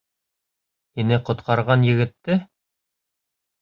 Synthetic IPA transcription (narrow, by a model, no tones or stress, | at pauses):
inɘqŏt̪qɑɾʁɑnjɘ̆ɡɘ̆t̪ːɘ